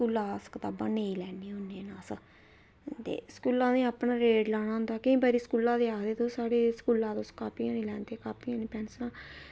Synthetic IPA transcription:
uːlaːskɪt̪aːbãːneĩlɛːniːʊneːnãːsə | t̪ḛːsə̥kuːlãːnẽːaːpnaːɾeːɖlaːñaːɦʊ̃nd̪aːkɪĩːbaːɾiːskuːlãːd̪eːaːd̪eːt̪õːsaːɽeːskuːlãːt̪oskaːpiːãːnĩːlɛːnd̪eːkaːpiːãːniːpɛːnsənãː

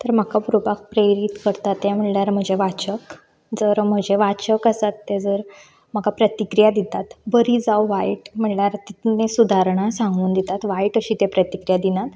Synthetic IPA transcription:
t̪əɾm̤akapuɾubak̚pɾeɾit̪kəɾt̪at̪ːjam̤əʈljaɾm̤əd͡ʑeʋat͡ɕək | d͡zəɾm̤əd͡ʑʱeʋat͡ɕəkəsat̪ːed͡zəɾ | m̤akapɾət̪ikɾijad̪it̪at̪bəɾiːd͡zawʋaiʈm̤əʈljaɾt̪it̪nesud̪ʱaɾɳ̃asãŋɡuːnd̪it̪at̪ʋaiʈəɕiːt̪epɾət̪ikɾijad̪inat̪

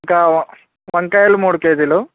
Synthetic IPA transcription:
ka | ʋɐŋkajɐlːumuːɽkeːd̪ilu

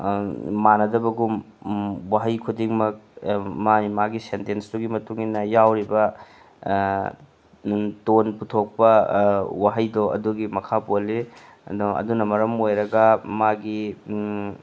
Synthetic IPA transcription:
manɐdɐbɐɡum | waɦɐjkʰudiŋmɐk̚manimaɡisentensduɡimɐtuŋinɐjawɾibɐ | tonputʰok̚pɐwaɦɐjdoʔɐ̰duɡimɐkʰapolːḭ | dɐ̰dunɐmɐɾɐmojɾɐɡɐmaɡi

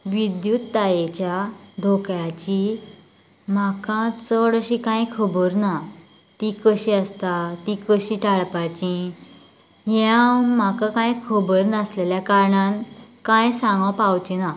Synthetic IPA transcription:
ʋid̪jut̪ːajet͡ɕjad̪ʱokjat͡ɕi | makãt͡səɽəɕikãjkʰəbəɾna | t̪ikəɕiəst̪at̪ikəɕĩʈaɭpat͡ɕĩ | ɦam̤akakãjkʰəbəɾnasleljakaɾɳãnkãjsãŋɡãpawt͡ɕina

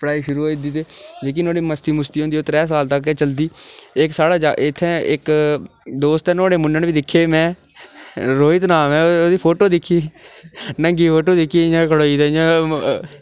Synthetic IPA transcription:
pəɽaːiːʃʊɾuːɦoːiːd̪it̪eːd͡ʒeːk̬ɪnoːɽiːməst̪iːmʊst̪iːɦõnd̪iːoːt̪ɾɛːs̬aːlt̪əkːt͡ʃəld̪iːɪksaːɽaːd͡ʒaɪt̪ʰːɛ̃ːɪk | d̪oːst̪ɛnoːɽeːmʊnənbiːd̪ɪkʰːeːmɛ̃ː | ɾoːɪt̪naːmɛ̃ːoːd̪iːpʰoːʈoːd̪ɪkʰːiː | nəŋɡiːpʰoːʈoːd̪ɪkʰːiːjãːkʰəɽoːiːd̪aːjãː

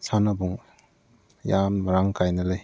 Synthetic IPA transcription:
sanɐbuŋ | jamɾaŋkajnɐlɯj

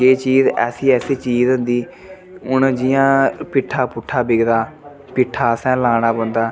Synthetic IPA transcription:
d͡ʒeːt͡ʃiːzɛ̰ːsiːɛːseːt͡ʃiːzɦʊ̃nd̪iː | ʊnd͡ʒɪjãːpɪʈʰːaːpʊʈʰːaːbɪɡd̪aː | pɪʈʰːaːsɛ̃ːlãːɽ̃aːbə̃nd̪aː

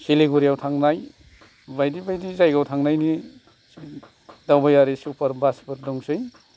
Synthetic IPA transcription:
siliɡuɾijawtʰaŋnaj | bajdibajdizajɡawtʰaŋnajni | dawbajaɾisupɐɾbasbɯɾdɔŋsɯj

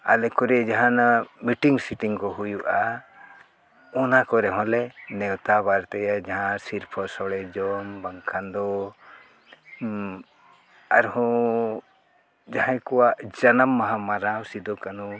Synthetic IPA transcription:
a̰lɛkɔɾɛd͡ʒaɦanamiʈiŋsiʈiŋkɔɦujuʔa | ɔnakɔɾɛɦɔ̃lɛnɛwt̪abaɾt̪ɛjad͡ʒaɦãsiɾpʰɔsɔɽɛd͡ʒɔmbaŋkʰand̪ɔ | aɾhɔ̃ | d͡ʒaɦãjkɔwaʔd͡ʒanamːaɦãmaɾawsid̪ɔkanu

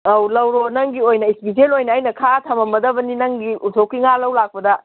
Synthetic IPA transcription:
awlɐwɾonɐŋɡiojnɐispis̬elojnɐːjnɐkʰatʰɐmɐmɐdɐbɐninɐŋɡiʔutʰokːiŋalɐwlak̚pɐdɐ

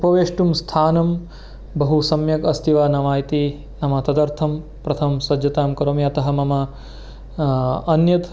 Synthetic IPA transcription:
upɐʋeːʂʈumst̪ʰaːnɐm | bɐɦusɐmjɐkɐst̪ʰiʋaːnɐʋaːjt̪i | nɐmɐt̪ɐd̪ɐɾt̪ʰɐm | pɾɐt̪ʰɐmsɐd͡ʒjɐt̪aːmkɐɾoːmjɐt̪ɐɦɐ̆mɐmɐ | njɐt̪

